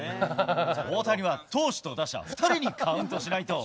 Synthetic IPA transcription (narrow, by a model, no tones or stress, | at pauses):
oːt̪aɾʲiβat̪o̞ːɕi̥t̪o̞d̪aɕt̪a̰ɸɯ̟̥t̪ʰaɾʲiɲ̟ikʰaɯ̟̃nt̪o̞ɕinait̪o̞